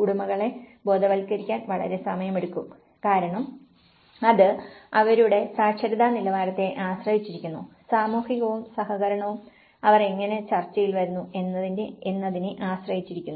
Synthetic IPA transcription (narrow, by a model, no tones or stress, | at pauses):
kuɽumɐɣɐɭe̞bo̞ːd̪ɐʋɐlkːɐɾikʲːaːnʋɐɭɐ̰ɾe̞sɐmɐjɐmeɽukːum | kaːɾɐɳɐm | ɐðɨɐʋɐɾuɽe̞saːkʂɐɾiðaːnilɐʋaːɾɐt̪ːe̞ʔaːɕrɐhit͡ɕːiɾikʲːunːusaːmuːhiɣɐʋumsɐhɐɣɐɾɐɳɐʋum | ɐʋɐreŋːɐne̞t͡ɕɐrt͡ɕːɐjilʋɐɾunːue̞nːɐðindeenːɐðineʔaːɕrɐjit͡ɕːiɾikʲːunːu